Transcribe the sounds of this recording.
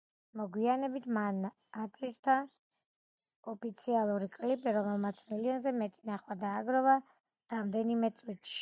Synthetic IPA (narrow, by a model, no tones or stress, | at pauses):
mɔɡwianɛbit̪ʰmanat̪ʼwiɾt̪ʰa | ɔpʰit̪sʰialˠuɾikʼlibiɾɔmɛlˠmat̪sʰmiliɔnzɛmɛt̪ʼinaχwad̪aːɡɾɔva | ɾamd̪ɛnimɛt̪sʼwit̪ʃ